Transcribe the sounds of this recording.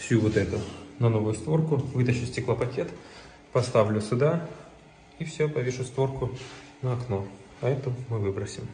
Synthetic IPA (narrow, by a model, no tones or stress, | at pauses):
fsʲuvot̪ɛt̪ʊnɐno̞vʊjʊst̪vo̞rkʊvɨt̪əɕʊsʲtʲɪklˠəpɐkʲet̪ | pɐst̪avlʲʊsʊd̪a | ifsʲɵpɐvʲeʂʊst̪vo̞rkʊ | nəɐkno̞ | ɐɛt̪əmɨvɨbɾəsʲɪm